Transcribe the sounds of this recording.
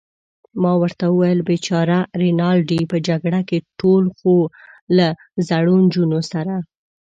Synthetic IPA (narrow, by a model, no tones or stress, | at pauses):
mɑwəɾt̪awəwajəlbet͡ʃɑɾaɾinɑlɖipəd͡ʒaɡɽakeʈolxola | zaɽund͡ʒunosaɾa